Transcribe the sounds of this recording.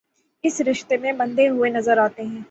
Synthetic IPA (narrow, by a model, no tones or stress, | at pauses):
ɪsɾɪʃt̪emẽbɐ̃nd̪eɦʊenɐzəɾaːt̪eɦɛ̃ː